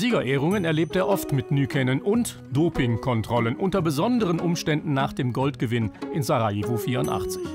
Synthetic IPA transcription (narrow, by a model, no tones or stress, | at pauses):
ziːɡɐʔeːʁ̞ʊŋənɛɐleːp̚teːɐʔɔftmɪtnyːkʰɛnənʔʊnt | d̥oːpɪŋkʰɔntʁ̥ɔlənʔʊntɐbəzɔndəʁənʔʊmʃtɛndn̩naːχd̥eːmɡɔltɡ̥əvɪnʔɪnzaʁaivuːfiːɐʊntʔa̰χt͡sɪç